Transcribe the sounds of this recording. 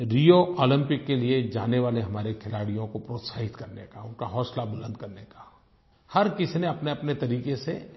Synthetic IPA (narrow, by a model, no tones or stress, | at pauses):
ɾijoʔɔːlɪ̃mpɪkːelied͡ʒa̰ːneʋaːleɦɐmaːɾekʰɪlaːɽijõkopɾoːt̪saːɦɪt̪kɐɾnekaʊnkaɦɔːslabʊlə̃nd̪̚kɐɾnekḁ | hɐɾkɪsneɐpneɐpnet̪ɐɾiːkesḛ